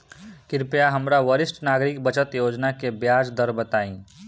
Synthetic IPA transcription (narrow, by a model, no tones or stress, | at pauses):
kɪɾpjaɦəmɾaʋəɾɪsʈnaːɡɾɪk̚bət͡ʃət̪joːd͡ʒnakebjaːd͡ʒd̪əɾbət̪aːĩː